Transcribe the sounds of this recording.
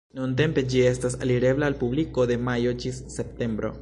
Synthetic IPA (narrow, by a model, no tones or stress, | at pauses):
nunt̬e̞mpe̞d͡ʒiestasaliɾe̞blaːlpubliko̞d̪e̞majo̞d͡ʒisːe̞p̚te̞mbɾo̞̰